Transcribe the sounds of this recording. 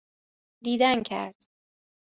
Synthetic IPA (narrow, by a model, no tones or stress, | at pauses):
d̪iːd̪æncʰæ̰ɾd̪̥